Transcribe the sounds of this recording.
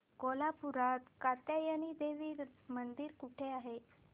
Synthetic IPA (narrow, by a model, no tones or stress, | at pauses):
kolapuɾat̪kat̪jajañid̪eʋiːɾmənd̪iːɾkuʈʰeaɦe